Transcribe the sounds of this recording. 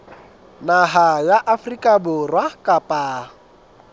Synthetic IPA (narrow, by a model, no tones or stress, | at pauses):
naɦajaʔafrikaboɾwahkapa